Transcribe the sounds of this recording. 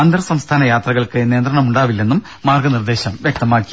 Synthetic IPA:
ɐnd̪rɐsɐmst̪ʰaːnɐjaːt̪rɐɣɐɭkɨniːnd̪rɐɳɐmuɳɖaːʋilːe̞nːumːaːrɡɐnird̪e̞ːɕɐmʋjek̚t̪ɐmaːkːi

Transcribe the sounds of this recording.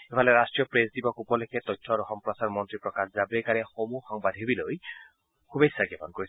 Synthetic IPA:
epaleɾasʈɹijɔpɾesd̪ibɔkupɔleket̪ɔjtʰːɔɾɔxɔmpɾɔsaɾmɔnt̪ɾipɾɔkaszabɾekaɾexomuxɔŋbad̪ʱɦebiloj | kʰubesːaɡepɔnkois

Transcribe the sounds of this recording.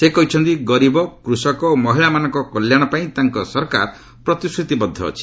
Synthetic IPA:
sekɔɦit͡ʃʰɔnt̪iɡɔɾibɔkɾusɔkɔomɔɦiɭamanɔŋkɔkɔljaɽ̃ɔpaĩt̪aŋkɔsɔɾkaɾ | pɾɔt̪iskʰɾut̪ibɔd̪ʱːɔ̰ːt͡ʃʰi̥

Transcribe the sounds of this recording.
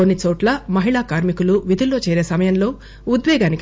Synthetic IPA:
onːit͡ʃoːʈlɐmɐɦiɭaːkaːɾmikuluʋid̪ʱilːo̞ːt͡ʃɛːɾe̞ːsɐmɐjɐnlo̞ː | ud̪ʋɛːɡaːnik

